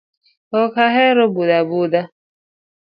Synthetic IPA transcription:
ɔkaɦɛɾɔbudabuda

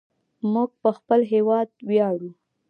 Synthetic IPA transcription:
muɡ̚pəxpəlɦewɑd̪wjɑɽu

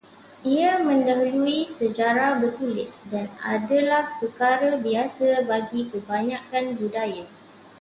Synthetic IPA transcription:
ʔiamə̃ndaɦuluisəd͡ʒaɾabərt̪ulɪ̰sdana̰dalahpəkaɾabiasabaɡikəbaɲãkanbudaja

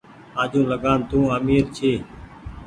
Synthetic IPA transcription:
ãːd͡ʒũːləɡaːnt̪ũːəmiːɾt͡ʃʰeː

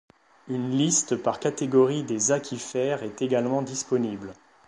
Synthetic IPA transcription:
ynlist̪paʁkat̪eɡɔʁid̪ezakʰʲifɛʁɛt̪eɡalmɑ̃d̪ispɔnibl

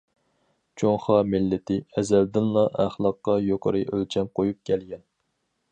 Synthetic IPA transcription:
t͡ʃʰoŋχɑmɪlːɪt̪ʰɪɛzɛld̪ɪnlˠɑʔæχlˠɑqːɑjoqʰə̰ɾɨʔølt͡ʃʰɛmqʰojup̚kʲʰɛlɡʲɛn

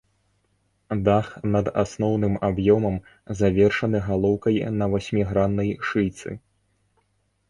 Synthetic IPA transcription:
d̪axnɐd̪a̰snɔwnɨmabjɔmɐm | zavʲɛrʂɐnɨɣalˠɔwkɐjnɐvasʲmʲiɣɾanːɐjʂɨjt̪sɨ̰

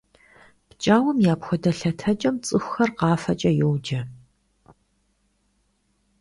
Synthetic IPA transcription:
pt͡ʃʼaːwɔmjaːpxʷɔdɐɬɐtʰɐt͡ʃʼɐmt͡sʼɨxʷxɐrqɑːfɐt͡ʃʼɐjowd͡ʒɐ

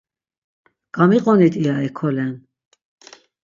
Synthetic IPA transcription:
ɡ̥amiqʼɔnit̪ʰiaɛkʰɔlɛn

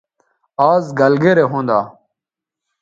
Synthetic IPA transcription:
aːzɡɐlɡeɾeɦõːnd̪aː

